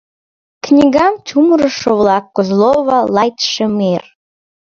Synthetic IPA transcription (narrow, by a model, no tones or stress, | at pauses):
knʲiɣɑmt͡ɕuməɾəʃoəβlɑkːozloβɑlɑjt̪ʃəmer